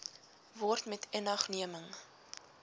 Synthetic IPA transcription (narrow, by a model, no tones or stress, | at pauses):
vɔrtmɛtʰɛnɐχniəməŋ